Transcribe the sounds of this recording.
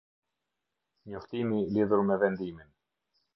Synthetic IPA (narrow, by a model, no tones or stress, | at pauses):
ɲɔft̪imiliðuɾmɛvɛnd̪imin